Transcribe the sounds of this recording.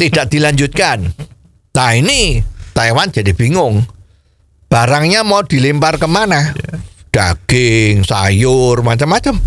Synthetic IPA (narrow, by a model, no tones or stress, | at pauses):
t̪id̥aʔd̪̥i̤laɲd͡ʒut̪̚kan | t̪ainit̪aewandd͡ʒ̥adib̥iŋʊŋ | b̥aɾaŋɲamɔd̪̥i̤limparkəmanahɖ̥aɡ̥ɪŋsajʊrmat͡ʃəmːat͡ʃəm